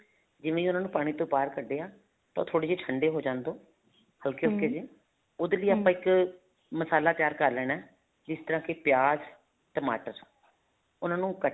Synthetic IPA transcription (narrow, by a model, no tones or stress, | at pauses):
d͡ʒɪʋẽːiːʊnãːnũːpaːɽ̃iːt̪õːpaːɾkəɖeːaː | t̪ã̰ːt̪ʰoːɽeːd͡ʒeːʈʰəɳɖeːɦoːd͡ʒãːnd̪oː | həlkeːɦokeːd͡ʒeː | ʊd̪eːliːaːpãːɪk | məsaːlaːt̪ɪjaːɾkəɾlɛːnɛː | d͡ʒɪst̪əɾãːkɪpjaːz | ʈəma̰ːʈəɾ | ʊnãːnũːkə